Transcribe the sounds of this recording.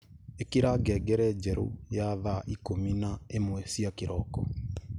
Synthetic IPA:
ekiɾaɡɛɡɛɾɛd͡ʒɛɾo̰jaðaʔikominaemwɛsiakeɾɔkɔ̰

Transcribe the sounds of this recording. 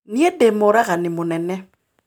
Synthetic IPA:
niɛdɛmoɾaɣanɪmonɛnɛ

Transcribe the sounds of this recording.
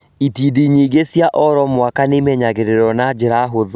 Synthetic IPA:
itidiɲiɡesjaʔɔɾɔmwakanemɛɲaɣeɾeɾɔnad͡ʑeɾaɦoðo

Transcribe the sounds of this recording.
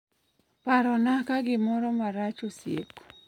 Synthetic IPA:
paɾɔnakaɡɪmɔɾɔmaɾat͡ʃosjḛk

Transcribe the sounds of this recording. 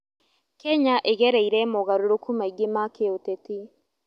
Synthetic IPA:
kɛɲaʔeɣɛɾeiɾɛmoɣaɾoɾokumaiɡemakeoteti

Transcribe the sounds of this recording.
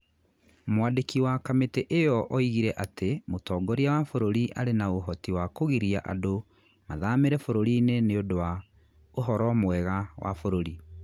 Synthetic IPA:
mwaːdekiwakametɛʔejɔʔɔiɣiɾɛʔatemotɔːɡɔɾiawafoɾoɾiʔa̰ɾenaoɦɔtiwakoɣiɾiaʔa̰do | maðameɾɛfoɾoɾineneodowa | oɦɔɾɔmwɛɣawʔa̰foɾoɾi

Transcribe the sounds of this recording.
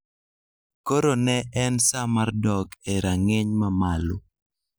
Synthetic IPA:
koɾonɛʔɛnsamardɔkeɾaŋeɲmamalʊ̰

